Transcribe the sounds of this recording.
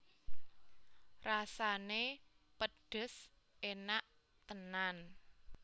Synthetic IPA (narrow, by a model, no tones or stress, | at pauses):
rasane | pəɖ̥ə̤s | enaʔ | t̪ənan